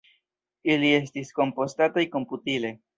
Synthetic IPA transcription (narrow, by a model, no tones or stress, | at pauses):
ilies̬t̪isko̞mpost̪at̪aiko̞mput̪ile